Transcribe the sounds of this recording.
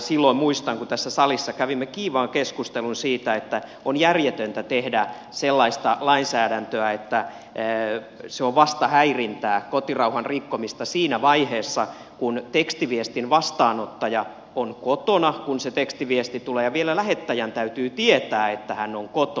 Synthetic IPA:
silːoimmuist̪ɑŋkut̪æsːæsɑlisːɑkæʋimːekiːʋɑːŋkeskust̪elunsiːt̪æet̪ːæ | onjærjet̪ønt̪æt̪ehdæ | selːɑist̪ɑlɑinsæːdænt̪øæet̪ːæ | seoʋʋɑst̪ɑhæirint̪æːkot̪irɑuhɑnrikːomist̪ɑsiːnæʋɑiheːsːɑ | kunt̪ekst̪iʋiest̪inʋɑst̪ɑːnot̪ːɑjɑ | onkot̪onɑkunset̪ekst̪iʋiest̪it̪uleːjɑʋielælæhet̪ːæjænt̪æyt̪yːt̪iet̪æːet̪ːæhænːoŋkot̪o

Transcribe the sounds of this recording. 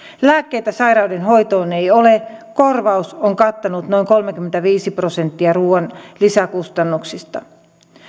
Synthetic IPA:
læːkːejt̪æsɑiɾɑudenɦojt̪oːneijolekorʋɑusoŋkɑt̪ːɑnut̪no̞iŋkolmek̟yment̪æʋiːsiprosent̪ːiɑruːɑnlisækust̪ɑnːuksist̪ɑ̰

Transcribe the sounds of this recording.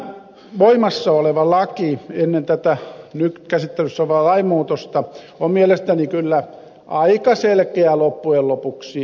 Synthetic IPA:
ʋoimɑsːɑoleʋɑlɑkienːent̪æt̪ænykkæsit̪ːelysːæʋɑːlɑimuːt̪ost̪ɑ | ommielest̪ænikylːæ | ʔɑikɑselkeælopːuellopuksi

